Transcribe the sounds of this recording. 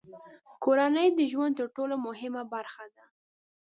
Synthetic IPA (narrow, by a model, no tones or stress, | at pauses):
koɾanəjd̪əʒwand̪̚t̪əɾʈolomʊɦɪmabaɾxad̪a